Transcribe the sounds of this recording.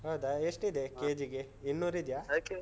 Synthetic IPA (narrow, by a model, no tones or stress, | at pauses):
ɦawd̪aeʂʈid̪ekeːd͡ʒiɡe | inːuːɾid̪jaːoke